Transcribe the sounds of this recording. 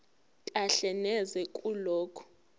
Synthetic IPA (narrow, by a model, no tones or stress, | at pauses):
kʼaɬɛnɛzɛkʼuloːkʰɔ̥